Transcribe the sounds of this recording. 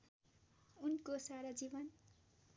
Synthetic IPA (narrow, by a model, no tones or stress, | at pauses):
unkosaɾad͡zibʌn